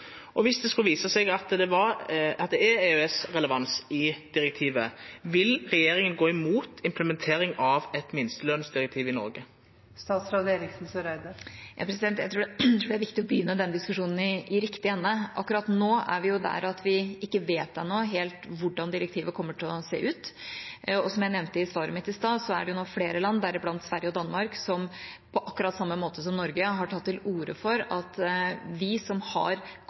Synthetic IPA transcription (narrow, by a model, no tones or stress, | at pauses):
ʔɔʋɪsd̪ɛskʉlʋiːsəsɛɡɑt̪d̪ɛʋɑɾɑt̪̚d̪ɛɛeøɛsɾɛləʋɑnsɪd̪̥ɪɾɛk̚t̪ʰiːʋəʋɪlɾɛjeːɾɪŋənɡoːɪmuːt̪ʰɪmpləmɛnt̪ʰeːɾɪŋɑʋɛt̪mɪnst̪əløːnsd̪ɪɾɛk̚t̪ʰiːʋɪnɔ̰ɾɡə | st̪ɑːt̪sɾɑːd̪eːɾɪksn̩sœɾæɪd̪ɑɾjʔɑ̰pʰɾɛsɪd̪ɛnt̪jæɪt̪ɾuːt̪ʰɾuːɖæɾʋɪkt̪ɪɔbəjʏnːəd̪ɛnd̪ɪskʉʂuːnn̩ɪɪɾɪkt̪ɪɛnːəʔɑ̰kːɾɑt̪noːæ̰ɾʋɪjʊd̪æ̰ɾɑt̪ʋɪɪkːəʋeːt̪̚d̪ɛnoːɦeːlt̪ʋʊɖːɑnd̪ɪɾək̚t̪ʰiːʋəkʰɔmːəʈʰɪlɔsḛːʔʉːt̪ | ɔsɔmjæɪnɛʋnt̪əɪsʋɑːɾə̰mɪt̪ːɪst̪ɑːsɔæ̰ɖɛjʊnoːfleːɾəlɑnːd̪æɾɪblɑnt̪sʋæɾjəɔd̪ɑnmɑɾksɔm | pʰɔʔɑkːʉɾɑt̪ːsɑmːəmoːt̪əs̬ɔmnɔɾɡəɦɑʈʰɑt̪ːɪluːɾə̰fɔɾɑt̪ʋɪsɔmhɑ̰ɾ